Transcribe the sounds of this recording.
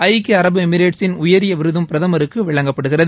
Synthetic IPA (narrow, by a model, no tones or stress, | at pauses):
ɐɪkːiɐɾɐbɯɛmɪɾeːʈsɪnʊjɐɾɪjɐʋɪɾɯðɯmpɪɾɐðɐmɐɾɯkːɯʋɪɭɐŋɡɐpːɐɽɯɣɪrɐðɯ